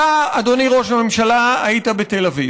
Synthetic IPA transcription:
aad̪o̞niʁo̞ʃame̞mʃalaait̪abet̪elavi

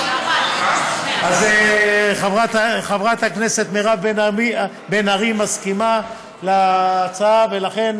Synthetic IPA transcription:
azeχavʁat̪aχavʁat̪hakne̞se̞t̪meʁaveni | benaʁimaskima | lat͡saavelaχe̞n

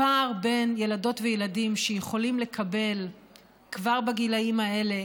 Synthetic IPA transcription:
aʁbe̞njelado̞tvejeladimʃejeχo̞limle̞kʰabe̞l | kvaʁbaɡilaimae̞le̞

